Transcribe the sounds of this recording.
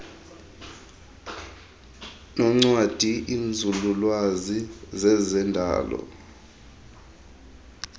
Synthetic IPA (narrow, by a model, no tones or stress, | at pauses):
nɔŋ͡ǀwad̥ʱiʔind͡zʱululwazizɛzɛndʱa̰ːlɔ̰